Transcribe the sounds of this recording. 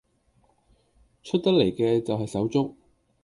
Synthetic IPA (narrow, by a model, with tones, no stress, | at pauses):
t͡ʃʰɵ˥t̚t̪ɐ˥k̚le˨˩jkɛː˧t͡sɐ˨wɦɐ˨jsɐ˨˥wt͡sʊ˥k̚